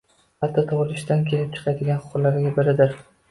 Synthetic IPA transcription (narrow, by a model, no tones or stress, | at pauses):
at̪ʰːat̪ʰɒʁlˠɪʃt̪ankʲʰe̞lɪp̚t͡ʃʰɨ̥qʰad̪ɪɡʲanχʊ̥qʊɾlaɾɪɡʲabɪɾɪd̪ɪɾ